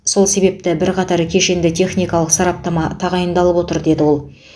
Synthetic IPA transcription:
so̞lˠse̞be̞p̚t̪ɪbɪɾqʰɑt̪ɑɾkʲʰe̞ʃe̞nd̪ɪt̪ʲʰe̞χnʲijkɑlˠəqsɑɾɑp̚t̪ɑmɑt̪ʰɑʁɑjənd̪ɑlˠəpwo̞t̪əɾd̪e̞d̪ɪwo̞lˠ

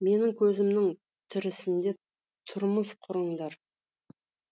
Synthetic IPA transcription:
me̞nɪŋkʲʰɵzɪmnɪŋ | t̪ʰɪɾɪsɪnd̪e̞ | t̪ʰʊɾməsqʰʊɾəɴd̪ɑɾ

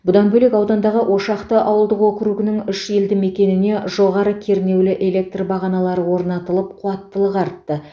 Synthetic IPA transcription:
bʊd̪ɑnbɵle̞kɑwd̪ɑnd̪ɑʁəʔo̞ʃɑqt̪əʔɑwəlˠd̪əqwɵkʲɪɾuɡʲɪnɪŋʏʃe̞ld̪ɪme̞kʲe̞nɪne̞ʒo̞ʁɑɾəkʲʰe̞ɾne̞wlɪʔe̞le̞k̚t̪rbɑʁɑnɑlˠɑɾəwoɾnɑt̪əlˠəp̚qʰuɑt̪ːəlˠəqɑɾt̪ːə

